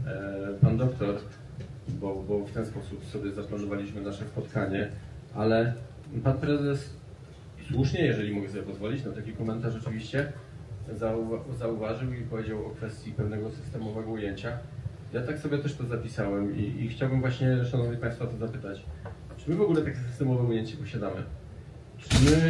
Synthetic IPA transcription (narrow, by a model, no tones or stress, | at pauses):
pand̪ɔkt̪ɔɾ | bɔbɔft̪ɛnspɔsupsɔbʲjɛzaplanɔvalʲiɕmɘnaʂɛspɔt̪kaɲɛ | ʔalɛ | panpɾɛzɛs | swuʂɲɛjɛʐɛlʲimɔɡɛsɔbʲjɛpɔzvɔlʲit͡ɕnat̪akʲikɔmɛnt̪aʂɔt͡ʂɘvʲiɕt͡ɕɛ | zauvazauvaʐɨwipɔvʲed͡ʑawɔkfɛst̪ʲjipɛvnɛɡɔsɨ̥st̪ɛmɔvɛɡɔujeɲt͡ɕajat̪aksɔbʲɛt̪ɛʂt̪ɔzapʲisawɛmiʔixt͡ɕawbɘmvwaɕɲɛʂanɔvɲipãj̃st̪fat̪ɔzapɘt̪at͡ɕ | t͡ʂɘmɘvɔɡulɛt̪akʲɛsɨst̪ɛmɔvɛujeɲt͡ɕɛpɔɕad̪amɘ̰ | t͡ʂɘmɘ